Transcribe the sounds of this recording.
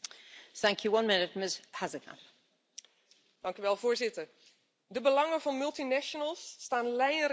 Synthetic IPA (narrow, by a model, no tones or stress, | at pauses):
θæ̃ŋkʰjəwʌ̃nmɪnɪt̚mɪshazəkʰa̰p | d̥ɑŋkyʋɛlˠvʊːɹzɪtəɹ | dəbəlɑŋəvɑnmɵlˠtinɛʃənəlˠsːtaːnlɛjr